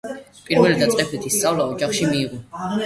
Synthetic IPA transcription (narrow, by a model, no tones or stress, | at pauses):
pʼiɾvɛlid̪at̪sʼqʼɛbʰlit̪ʰist̪sʼavlaɔd͡ʒaχʃimiːʁɔ